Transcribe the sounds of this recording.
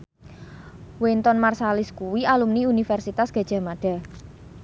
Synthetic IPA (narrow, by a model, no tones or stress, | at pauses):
went̪ɔnmarsalɪskuwialumniunifɛrsit̪asɡ̥a̤d̥ʒ̥a̤maɖ̥a̤